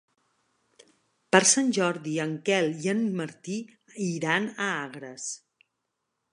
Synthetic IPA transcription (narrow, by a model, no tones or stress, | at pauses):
pəɾsanʲʒɔɾðiəŋkɛliənməɾt̪i | iɾanəaɣɾəs